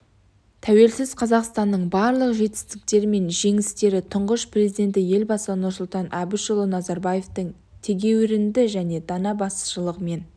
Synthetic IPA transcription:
t̪ʰæwe̞lsɪzqʰɑzɑqst̪ɑnːəɴbɑɾlˠəqʒe̞t̪ɪ̥st̪ɪk̚t̪e̞ɾɪme̞nʒe̞ŋɪst̪e̞ɾɪt̪ʰʊɴʁəʃprʲe̞zid̪e̞nt̪ɪje̞lbɑsəənʊɾsʊlˠt̪ɑnʔæbɪʃolˠonɑzɑɾbɑje̞ft̪əɴ | t̪ʰe̞ɡʲe̞wɪɾɪnd̪ɪʒæne̞d̪ɑnɑbɑsə̥ʃəlˠəʁəme̞n

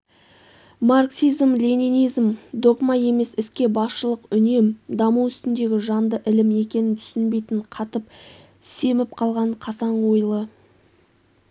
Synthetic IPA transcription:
marksizmlʲeninijzmd̪o̞ɡmaje̞me̞sɪskʲe̞bɑsʃəlˠəqʏne̞md̪ɑmuwʏst̪ɪnd̪e̞ɡʲɪʒɑnd̪əʔɪlɪme̞kʲe̞nɪnt̪ʰʏ̥sɪnbe̞jt̪ɪɴqʰɑt̪əp̚ | se̞mɪp̚qʰɑlˠʁɑɴqʰɑsɑɴwojlˠə

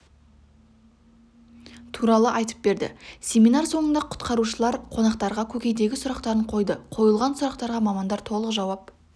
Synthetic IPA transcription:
t̪ʰuɾɑlˠəʔɑjt̪ə̥p̚be̞ɾd̪ɪ̰sʲe̞minɑɾso̞ɴənd̪ɑqʰʊ̥t̪qɑɾuʃəlˠɑɾqʰo̞nɑqt̪ɑɾʁɑkʲʰɵkʲe̞jd̪e̞ɡʲɪsʊɾɑqt̪ɑɾəɴqʰo̞jd̪əqʰo̞jəlˠʁɑnsʊɾɑqt̪ɑɾʁɑmɑmɑnd̪ɑɾt̪ʰo̞lˠəqʒɑwɑp̚

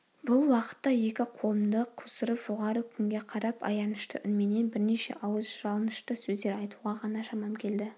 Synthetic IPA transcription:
bʊlˠwɑqə̥t̪ːɑje̞kʲɪqʰolˠəmd̪əqʰʊsəɾəpʒoʁɑɾəkʲʰʏŋɡʲe̞qʰɑɾɑpɑ̰jɑnəʃt̪ə̰ʔʏnme̞ne̞nbɪɾneʃe̞̰ʔɑwəzʒ̥ɑlˠənəʃt̪əsɵzd̪e̞ɾɑjt̪uʁɑʁɑnɑʃɑmɑmkʲʰe̞ld̪ɪ

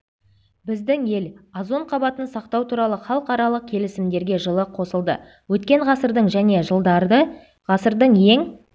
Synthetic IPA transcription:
bɪzd̪ɪŋje̞lɑzo̞ɴqʰɑbɑt̪ənsɑq̚t̪ɑwt̪ʰuɾɑlˠəχɑlˠəqɑɾɑlˠəq̚kʲʰe̞lɪsɪmd̪e̞ɾɡʲe̞ʒəlˠəqʰːo̞səlˠd̪ə̰ | wɵt̪̚kʲe̞ɴʁɑsəɾd̪əɴʒæne̞ʒəlˠd̪ɑɾd̪ə | ʁɑsəɾd̪əɴje̞ŋ

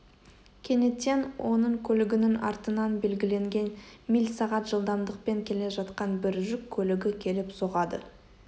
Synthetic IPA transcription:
kʲʰe̞ne̞t̪enwo̞nəɴkʲʰɵlɪɡʲɪnɪŋɑ̰ɾt̪ənɑnbe̞lɡʲɪle̞ŋɡʲe̞nmijlsɑʁɑt̪ʒ̥əlˠd̪ɑmd̪əq̚pe̞ŋkʲʰe̞le̞ʒɑt̪qɑnbɪɾʒʏkʲʰːɵlɪɡʲɪkʲʰe̞lɪpso̞ʁɑd̪ə

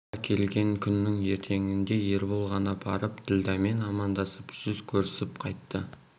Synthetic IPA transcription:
ɑɾkʲʰe̞lɡʲe̞ŋkʲʰʏnːɪŋe̞ɾt̪ʰe̞ŋɪnd̪e̞jeɾbolˠʁɑnɑbʰɑɾəpt̪ʰɪld̪æme̞nɑmɑnd̪ɑsəpʒ̥ʏzkʲʰɵɾɪsɪpqʰɑjt̪ːə

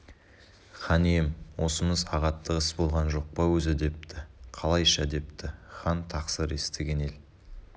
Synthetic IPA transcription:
χɑnijemwʔo̞səməzɑʁɑt̪ʰːəqəsbo̞lˠʁɑnʒo̞q̚pɑwɵzɪd̪e̞p̚t̪ɪqʰɑlˠɑjʃɑd̪e̞p̚t̪ɪχɑnt̪ʰɑqsəɾe̞st̪eɡʲe̞ne̞l

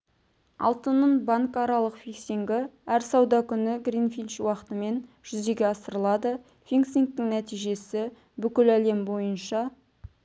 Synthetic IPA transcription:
ɑ̰lˠt̪ənːənbɑŋkɑɾɑlˠəqfikseŋɡʲɪæɾsɑwd̪ɑkʲʰʏnɪɡrinfilt͡ʃwɑqə̥t̪əme̞nʒ̥ʏzd̪e̞ɡʲeɑsəɾəlˠɑd̪ə | fiŋksiŋk̚t̪ɪŋnæt̪ijʒe̞sɪ | bʏkʲɪlæle̞mbo̞jənʃɑ

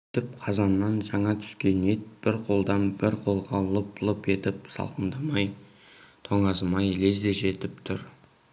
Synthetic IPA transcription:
t̪ɪpqʰɑzɑnːɑnʒɑɴɑt̪ʰʏ̥skʲe̞ne̞t̪̚b̥ɪɾqʰo̞lˠd̪ɑnbɪɾqʰo̞lˠʁɑlˠəplˠəpe̞t̪ɪp̚sɑ̰lˠqʰənd̪ɑmɑj | t̪ʰoɴɑzmɑjle̞zd̪e̞ʒe̞t̪ɪp̚t̪ʰʊɾ

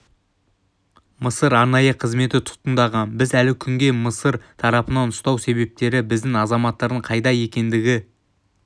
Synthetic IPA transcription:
məsəɾɑɾnɑjəqʰəzme̞t̪ɪt̪ʰʊ̥t̪ənd̪ɑʁɑnbɪzælɪkʲʰʏŋɡʲe̞məsəɾt̪ʰɑɾɑpənɑnʊst̪ɑwse̞βe̞p̚t̪e̞ɾɪbɪzd̪ɪŋɑzɑmɑt̪ːɑɾd̪əɴqʰɑjd̪ɑje̞kʲe̞nd̪ɪɡʲɪ

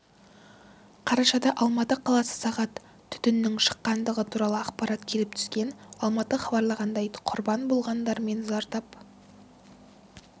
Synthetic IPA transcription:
qʰɑɾɑʃɑd̪ɑʔɑlˠmɑt̪əqʰɑlˠɑsə̥sɑʁɑt̪ʰː | ʏ̥t̪ʏnːɪŋʃə̥qːɑnd̪əʁət̪ʰuɾɑlˠəɑqpɑɾɑt̪kʲʰe̞lɪp̚t̪ʰʏ̥skʲe̞nɑlˠmɑt̪əχɑbɑɾlˠəʁɑnd̪ɑjqʰʊɾbɑnbolˠʁɑnd̪ɑɾme̞nzɑɾt̪ɑp

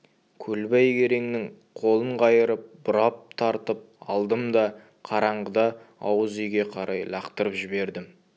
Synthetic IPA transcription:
kʲʰɵlbæjkʲʰe̞ɾe̞ŋnɪŋ | qʰo̞lˠəɴqʰɑjəɾəp̚b̥ʊɾɑp̚t̪ʰɑɾt̪əp̚ɑlˠd̪əmd̪ɑ | qʰɑɾɑɴʁəd̪ɑɑ̰wəzijɡʲe̞qʰɑɾɑjlˠɑqt̪əɾəpʒɪbe̞ɾd̪ɪm

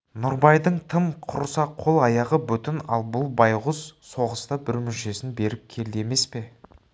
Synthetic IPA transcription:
nʊɾbɑjd̪əɴt̪ʰəmqʰʊɾsɑqʰo̞lˠɑjɑʁəbʏt̪ɪnɑlˠbʊlˠbɑjʁʊzso̞ʁəst̪ɑbɪɾmʏnʃe̞sɪnbe̞ɾɪp̚kʲʰe̞ld̪eeme̞spe̞

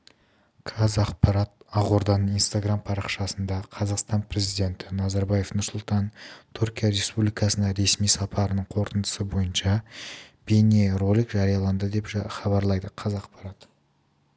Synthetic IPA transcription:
qʰɑzɑqpɑɾɑt̪̚ɑʁoɾd̪ɑnəinst̪aɡrampʰɑɾɑqʃɑsənd̪ɑqʰɑzɑqst̪ɑnpʰɾe̞zijd̪e̞nt̪ɪnɑzɑɾbɑje̞fnʊɾsʊlˠt̪ɑnt̪ʰuɾkʲijaɾe̞spublʲijkɑsənd̪ɑɾe̞smijsɑpʰɑɾənəɴqʰo̞ɾt̪ənd̪ə̥səbo̞jənʃɑb̥enʲerolʲikʒɑɾijɑlˠɑnd̪əd̪e̞pχɑβɑɾlˠɑjd̪əqʰɑzɑqpɑɾɑt̪

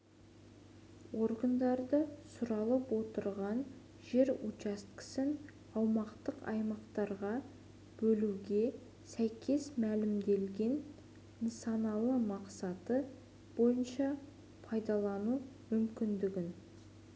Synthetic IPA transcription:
wo̞ɾɡənd̪ɑɾd̪əsʊɾɑlˠəpwo̞t̪əɾʁɑn | ʒe̞ɾut͡ʃɑst̪kɪ̥sɪn | ɑwmɑqt̪əqɑ̰jmɑqt̪ɑɾʁɑ | b̥ɵluɡʲe̞ | sæjkʲʰe̞smælɪmd̪e̞lɡʲe̞n | nsɑnɑlˠəmɑqsɑt̪ə | b̥o̞jənʃɑ | pʰɑjd̪ɑlˠɑnumʏmkʲɪnd̪ɪɡʲɪn

